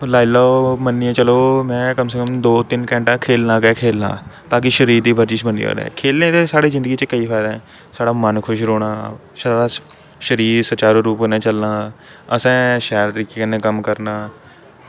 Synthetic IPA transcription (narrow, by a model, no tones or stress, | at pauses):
laːilaːomənːɪãːt͡ʃəloːmɛ̃ːkəmsəkəmd̪oːt̪ɪnkɛ̃ːɳʈãːkʰeːlnãːkɛːkʰeːlnã̰ːt̪ãːk̬ɪʃəɾiːɾd̪iːbʱəɾd͡ʒiːt͡ʃbənd̪ḭo̰ːɾɛ̰ːkʰeːlnẽːt̪eːsaːɽeːzɪnd̪əɡiːt͡ʃəkəiːfʰaːɪd̪aːɛ̃ː | saːɽaːmənkʰʊʃɾoːɽ̃aː | ʃaɖaː | ʃəɾiːɾsət͡ʃaːɾoːɾuːponãːt͡ʃəlnãː | əsɛ̃ːʃɛːɾt̪əɾiːkeːkɪnẽːkəmkəɾnaː